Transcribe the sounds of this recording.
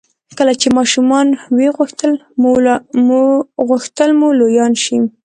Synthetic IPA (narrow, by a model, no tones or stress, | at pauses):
kəlat͡ʃemɑʃumɑnweɣuxt̪əl | muɣʊxt̪əlmulojɑnʃim